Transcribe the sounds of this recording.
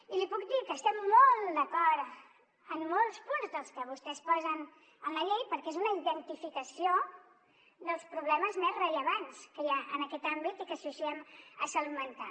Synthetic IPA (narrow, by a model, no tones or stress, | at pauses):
ilipuk̚d̪ikəst̪ɛmːolˠd̪əkɔɾ | əmːolˠspunzðəlˠskəβ̞ust̪ɛspɔzən | ənləʎej̚pəɾkɛezunəiðənt̪ifikəsio | d̪əlˠspɾuβlɛməzmɛzrəʎəβanskəjaʔənəkɛt̪ambit̪ikəsusiɛməsəlmənt̪a̰